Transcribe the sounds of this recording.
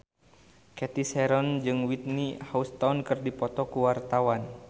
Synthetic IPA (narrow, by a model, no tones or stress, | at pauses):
kɛt̪isɛɾɔnd͡ʒɨŋwit̪̚nihaust̪ɔnkɨrdipɔt̪ɔkuwart̪awan